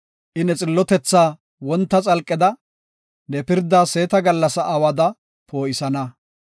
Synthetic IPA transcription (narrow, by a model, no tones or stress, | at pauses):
ʔɪnɛt͡sʼɪlːɔt̪ɛt͡sːaː | wɔnt̪ːɐt͡sʼɐlkʼːɪd̪ɐ | nɛpɪɾd̪aːse̞ːt̪ɐɡɐlːɐsɐʔɐwɐd̪ɐ | pʰo̞ːʔɪsɐnɐ